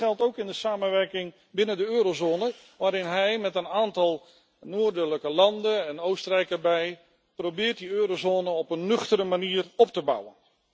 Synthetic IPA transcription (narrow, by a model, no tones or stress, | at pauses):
ɛlˠtowkɪndəsaːmənʋɛrkɪŋ | bɪnəndəøːɾozoːnə | ʋaːɾɪnɦɛjmɛtənaːntɑlˠ | noːɹdələkəlɑndəɛnowstərɛjkəɹbɛj | prowbɪːrt̚diøːɾozoːnəɔpənːɵχtəɾəmaniːrɔp̚təbʌ̰wən